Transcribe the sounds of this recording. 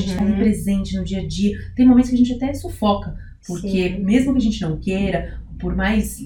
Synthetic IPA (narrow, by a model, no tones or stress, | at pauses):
ẽt͡ʃɪt̪aĩpɾezẽnt͡ʃɪnʊd͡ʒiɐd͡ʒiɐt̪ẽj̃momẽt̪ʊs̬kɐʒẽnt͡ʃat̪ɛsofɔkɐ | poɾkemezmʊkɪaʒẽnt͡ʃɪnɐ̃w̃kejɾɐpoɾmajs